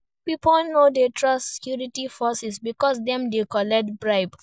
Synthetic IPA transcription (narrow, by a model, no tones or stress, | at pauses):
pipɔlnodetʰɹʌstse̥kjuɹitifɔsɛsbikɔs̬dɛ̃mdekɔlɛtbɹaɪb